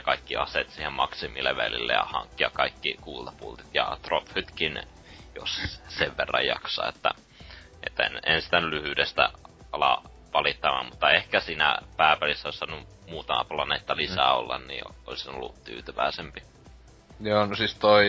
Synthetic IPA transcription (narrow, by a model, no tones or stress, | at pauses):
kɑikːiɑset̪siːhemmɑksimilːeʋælḭlːḛjɑ̰hɑ̰ŋkːiɑkɑikːikuːlt̪ɑpṵlt̪it̪jɑt̪rophyt̪kin | jo̰sseʋʋerːɑjjɑksɑ̰ːet̪ːæ̰ | et̪ːæḛnensi̥t̪ænylyhyːdest̪æ̰ɑlɑ | ʋɑlit̪ːɑʋɑ̰mmut̪ːɑehkæsiːnæ̰pæːpælisːæosɑnu | muːt̪ɑmɑ̰plɑnḛt̪ːɑlisæːo̰lːɑnnḭːo̰lisino̰lːutt̪y̰ːt̪yʋæisempi | joːnosist̪oi